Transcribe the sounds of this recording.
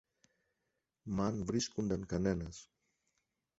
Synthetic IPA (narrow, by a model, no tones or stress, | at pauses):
manbɾiskund̪ankanɛnas